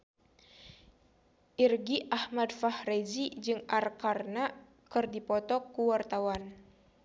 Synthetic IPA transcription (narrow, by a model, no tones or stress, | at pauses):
ʔirɡiʔahmadfahrezid͡ʒɨŋarkarna | kɨrdipɔt̪ɔkuwart̪awan